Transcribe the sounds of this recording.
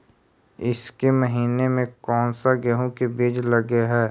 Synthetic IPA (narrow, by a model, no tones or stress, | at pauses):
ɪskeməɦiːnemẽkɔːnsaɡɛɦõkebiːd͡ʒləɡeɦɛː